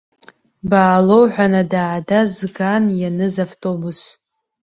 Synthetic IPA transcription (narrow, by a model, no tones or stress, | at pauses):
baːlo̞wħʷᶣanadaːdazɡanjanɨzavtʼo̞bus